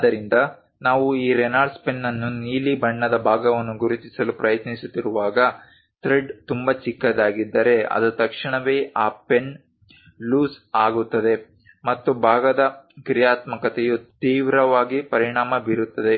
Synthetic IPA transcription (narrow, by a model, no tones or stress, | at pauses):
ɐd̪ɐɾind̪ɐ | naːʋuiːɾenaːɖspenːɐnːuniːlibɐɳːɐd̪ɐbʱaːɡɐʋɐnːuɡuɾut̪isɐlupɾɐjɐt̪nisut̪ːiɾuʋaːɡɐ | t̪ɾeɖt̪umbɐt͡ʃikːɐd̪aːɡid̪ːɐɾe̞ɐ̰d̪ut̪ɐkʂiɳɐʋeːʔaːpen | luːsaːɡut̪ːɐd̪e̞ | mɐt̪ːubʱaːɡɐd̪ɐkɾijaːt̪mɐkɐt̪ejut̪iːʋɾɐʋaːɡipɐɾiɳaːmɐbiɾut̪ːɐd̪e̞